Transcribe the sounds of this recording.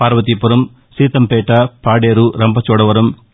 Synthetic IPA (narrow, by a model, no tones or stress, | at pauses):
paːɾɐʋɐt̪̬ipuɾɐm | siːt̪ɐmpɛːʈɐpaːɽeːɾuɾɐmpɐt͡ʃɔːɽɐʋɐɾɐm